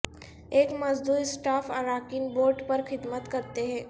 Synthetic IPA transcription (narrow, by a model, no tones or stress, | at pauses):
eːkmɐzd̪uːɾsʈaːfʰɐɾaːkɪnboːɾɖpɐɾxɪd̪mət̪kɐɾt̪eɦɛ̃ː